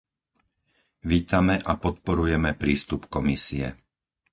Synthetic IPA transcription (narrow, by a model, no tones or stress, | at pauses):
ʋiːt̪amɛʔapɔt̪̚pɔɾujɛmɛpɾiːst̪upkɔmisiɛ̰